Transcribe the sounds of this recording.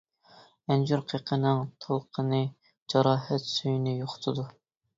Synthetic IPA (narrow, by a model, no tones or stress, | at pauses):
ɛnd͡ʒyɾqʰeqʰənɨŋt̪ʰɑlˠqʰənɨ | d͡ʒɑɾɑːɦɛt̪søjnɪjoχʊ̥t̪ʰɨd̪u